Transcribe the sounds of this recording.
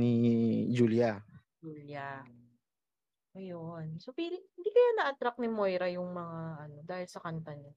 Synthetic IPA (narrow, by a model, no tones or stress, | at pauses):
nid͡ʒulja | d͡ʒuːljɐ | ʔojonsopilɪhɪnd̪iːkɐjanɐʔɐt̪ɾak̚nɪmo̞jɾɐjʊŋmɐŋaʔɐno̞d̪aːhɪlsɐkɐnt̪ɐnɪ